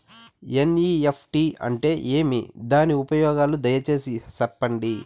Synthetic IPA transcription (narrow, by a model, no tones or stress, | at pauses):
eniːepʰʈiɐ̰ɳʈe̞ːʔeːmḭd̪aːniupɐjɔːɡaːlud̪ɐjɐt͡ʃe̞ːsisɐɾpːɐɳɖi